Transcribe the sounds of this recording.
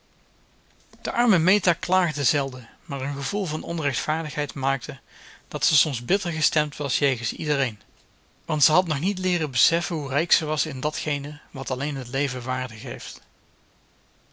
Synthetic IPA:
d̥əʔɑɹməmejtaːklaːχdəzɛlˠdəmaːɹənχəvulˠvɑnɔnrɛxtfaːɹdəxɦɛjtmaːk̚təd̥ɑtsəsɔmzbɪtəɹχəstɛmtʋɑsjejɣənsḭdərejn | ʋɑntsəɦɑtnɔχnitlɪːrəbəsɛfənɦurɛjksəʋɑsɪndɑtxejnəʋɑtɑlejnɦətlejvəʋaːɹdəxɦejft

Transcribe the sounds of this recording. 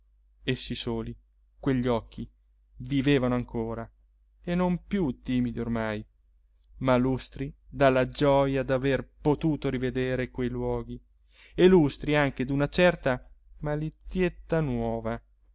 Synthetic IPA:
esːisoːli | kweʎːɔkʰːi | viveːvanoaŋkʰoːɾa | enompjut̪ːiːmid̪iormaj | malust̪ɾid̪alːad͡ʒɔjad̪averpot̪uːt̪oɾived̪eːɾekwejlwɔːɡi | elust̪ɾiaŋk̟ed̪unat͡ʃɛrt̪amalit̪sjet̪ːanwɔːva

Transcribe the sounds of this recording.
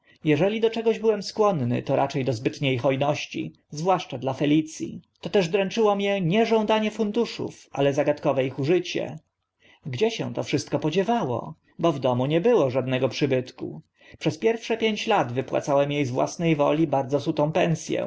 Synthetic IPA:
jɛʐɛlʲid̪ɔt͡ʂɛɡɔʑbɘwɛmskwɔnnɘ̰t̪ɔɾʔa̰t͡ʂɛjd̪ɔzbɘt̪ɲejxɔjnɔɕt͡ɕḭ | zvwaʂt͡ʂad̪lafɛlʲit̪sʲjḭt̪ɔt̪ɛʐd̪ɾɛnt͡ʂɘwɔmɲɛɲɛʐɔw̃d̪aɲɛfund̪uʂṵfʔa̰lɛzaɡat̪kɔvɛixuʐɘt͡ɕɛ̰ | ɡd͡ʑɛɕɛ̰̃t̪ɔfʂɘst̪̚kɔpɔd͡ʑɛvawɔ̰ | bɔvd̪ɔmuɲɛbɘwɔʐad̪nɛɡɔpʂɘbɘt̪kṵ | pʂɛspʲjɛɾfʂɛpʲjeɲt͡ɕlad̪vɘpwa̰t̪sawɛmjejzvwa̰snɛjvɔ̰lʲibaɾd̪zɔsut̪ɔ̃w̃pɛnsʲjɛ̰

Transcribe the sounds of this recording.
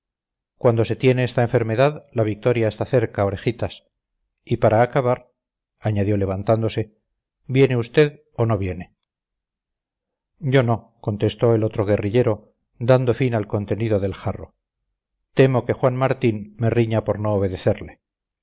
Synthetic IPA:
kwand̪o̞se̞t̪je̞ne̞est̪ae̞ɱfe̞ɾme̞ðaðlaβik̚t̪o̞ɾjaest̪aθe̞ɾkao̞ɾe̞xit̪as | ipaɾaːkaβaɾ | aɲaðjo̞le̞β̞ant̪and̪o̞se̞ | bje̞ne̞ust̪e̞ð | o̞no̞βje̞ne̞ | ɟ͡ʝo̞no̞ | ko̞nt̪e̞st̪o̞e̞lo̞t̪ɾo̞ɣ̞e̞riʎe̞ɾo̞ | d̪and̪o̞finalko̞nt̪e̞niðo̞ðe̞lxaro̞ | t̪e̞mo̞ke̞xwanmaɾt̪inme̞riɲapo̞ɾno̞ːβe̞ðe̞θeɾle

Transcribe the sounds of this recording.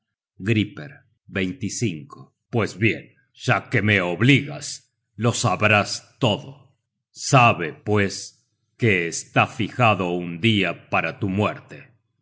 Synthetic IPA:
ɡɾipḛɾ | bejnt̪isiŋko | pwe̞zβje̞̰n | ʒ̥ake̞meoβliɣas | lo̞saβɾast̪o̞ðo | saβe̞pwe̞s | keːst̪afixaðo̞und̪iapaɾat̪umweɾt̪e̞

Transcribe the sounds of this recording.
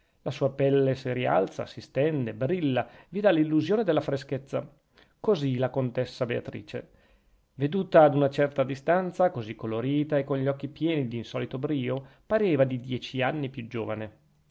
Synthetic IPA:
lasuːapɛlːesiɾia̰lt̪sa̰sist̪ɛnd̪ebɾilːavid̪alːilːuzjoːned̪elːafɾesket̪sːa | kozilakont̪esːabea̰t̪ɾḭːt͡ʃḛ | ved̪uːt̪aːd̪unat͡ʃɛrt̪ad̪ist̪ant̪sakozikːoloɾiːt̪aekːoɲʎɔkːipjɛːnid̪insɔːlit̪obɾiːopaɾeːvad̪id̪jɛːt͡ʃianːipjud͡ʒoːvane

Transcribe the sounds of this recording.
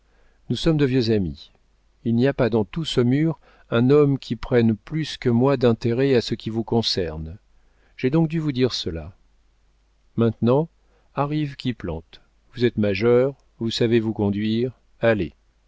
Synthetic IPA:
nusɔmd̪əvjøzami | ilniapad̪ɑ̃t̪usəmyːʁ | ɛ̃nɔmkʲʰipχɛnplyskəmwad̪ɛ̃t̪eʁɛasəkʲivukɔ̃sɛʁn | ʒ̥ed̪ɔ̃k̚d̪yvud̪iʁsəla | mɛ̃t̪nɑ̃ | aʁivkʲiplɑ̰̃t̪ | vuzɛt̪maʒœʁ | vusavevukɔ̃d̪ɥiʁ | ale

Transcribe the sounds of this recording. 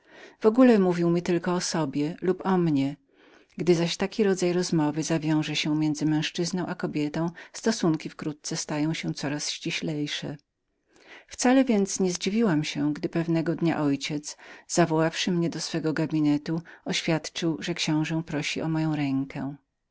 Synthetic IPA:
v̥ɔɡulɛmuvʲiwmʲit̪ɘlkɔːsɔbʲjɛlupɔmɲɛ | ɡd̪ɘzaɕt̪akʲiɾɔd̪zajɾɔzmɔvɘzavʲjɔ̃w̃ʐɛɕɛmʲjɛnd̪zɘmɛ̃w̃ʂt͡ʂɘznɔ̃w̃ʔakɔbʲjɛt̪ɔ̃w̃st̪ɔsuŋkʲifkɾut̪̚t̪sɛst̪ajɔ̃w̃ɕɛ̃t̪sɔɾasɕt͡ɕiɕlɛjʂɛ̰ | ft̪salɛvʲjɛnt̪sɲɛzd͡ʑivʲiwamɕɛɡd̪ɘpɛvnɛɡɔd̪ɲa̰ʔɔjt͡ɕɛt̪zz̥avɔwafʂɘmɲɛd̪ɔsfɛɡɔɡabʲinɛt̪uɔɕfʲjat̪t͡ʂɘwʐɛkɕɔ̃w̃ʐɛpɾɔɕiʔɔmɔjɔ̃w̃ɾɛŋkʰɛ̰̃

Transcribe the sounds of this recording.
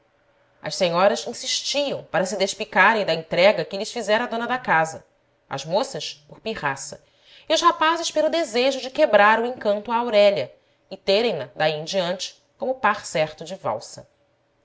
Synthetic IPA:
ɐ̰ʃsẽɲɔɾɐzĩsiʃt͡ʃiɐ̃w̃paɾɐsɪd̪eʃpikaɾẽj̃d̪ɐẽt̪ɾɛɡɐkɪlɪʃfizɛɾɐd̪õnɐd̪ɐkazɐ | ɐ̰zmosɐʃpʊχpiʁasɐ | iʊʃhapazɪʃpelʊd̪ezeʒʊd͡ʒɪkebɾaɾuẽkɐ̃nt̪ʊaawɾɛʎɐ | ɪt̪eɾẽj̃nɐd̪aĩd͡ʒiɐ̃nt͡ʃɪ̥ | kõmʊpaχsɛχt̪ʊd͡ʒɪva̰wsɐ̰

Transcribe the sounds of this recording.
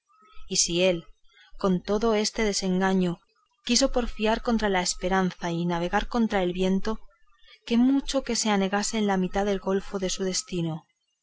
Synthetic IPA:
isie̞l | ko̞nt̪o̞ðo̞e̞st̪e̞ðe̞se̞ŋɡaɲo̞ | kis̬o̞po̞ɾfiaɾko̞nt̪ɾalae̞spe̞ɾanθainaβ̞e̞ɣaɾko̞nt̪ɾae̞lβje̞nt̪o̞ | ke̞mut͡ʃo̞ke̞se̞ane̞ɣase̞ːnlamit̪aðe̞lɣo̞lfo̞ðe̞suð̞e̞st̪ino

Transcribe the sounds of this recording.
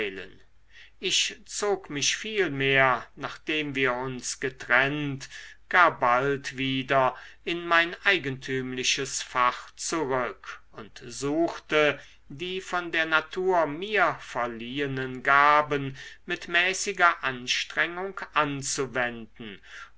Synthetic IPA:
ɪlə̰n | ʔɪçt͡soːkmɪɕfiːlmeːɐnaːχd̥eːmviːɐʊnsɡ̥ətʁ̥ɛntɡ̥aːɐbaltv̥iːdɐʔɪnmaɪnʔaɪɡəntʰyːmlɪʃəsfaχt͡suʁʏkʔʊntzuːxtə | diːfɔndeːɐnatʰuːɐmiːɐfɛɐliːənənɡaːbənmɪtmɛːsɪɡɐʔanʃtʁ̥ɛŋʊŋkʔant͡suvɛndn̩

